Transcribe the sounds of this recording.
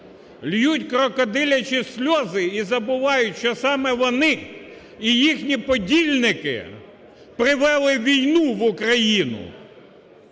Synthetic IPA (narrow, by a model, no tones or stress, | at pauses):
lʲjutʲkɾɔkɔd̪ɪlʲɐt͡ʃisʲlʲɔzɪizɐbʊʋɑjʊtʲʃt͡ʃɔsɑmɛʋɔnɪ | ijixnʲipɔdʲilʲnɪkɪ̰ | pɾɪʋɛlˠɪʋʲijnuʋʊkɾɐjinʊ̰